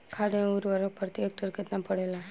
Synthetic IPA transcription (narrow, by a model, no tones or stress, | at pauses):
kʰad̪euɾʋaɾopəɾt̪iek̚ʈəɾkət̪napəɽela